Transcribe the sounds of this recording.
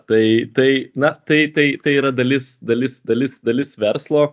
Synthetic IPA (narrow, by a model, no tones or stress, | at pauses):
t̪ɐɪt̪ɐɪnɐt̪ɐɪt̪ɐɪt̪ɐɪiːɾɐd̪ɐlʲɪsd̪ɐlʲɪsd̪ɐlʲɪsd̪ɐlʲɪsʋʲɛrslˠoː